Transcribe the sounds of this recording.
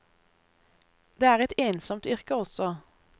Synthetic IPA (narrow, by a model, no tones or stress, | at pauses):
d̪̥eːæːʁɛt̪eːnsɔmt̪ʏʁkəɔsɔ